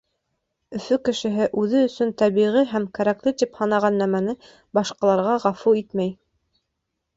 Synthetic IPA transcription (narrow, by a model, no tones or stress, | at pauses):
ɵ̆fɵkɘ̆ʃɘ̆ɦɘʔʉðɘɵ̆sɵnt̪æβiʁiɦæmkæɾæklɘt̪iphɑnɑʁɑnːæmænɘ | bɑʃqɑlˠɑɾʁɑʁɑfuit̪mæj